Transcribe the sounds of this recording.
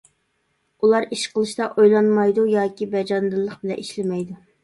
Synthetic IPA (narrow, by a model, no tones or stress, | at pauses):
ulˠɑɾiʃqəlˠɨʃt̪ɑʔojlˠɑnmɑjd̪ujɑːkʲibɛd͡ʒɑnd̪ɨlˠːəqbɪlɛ̰ʔiʃlɪmɛjd̪u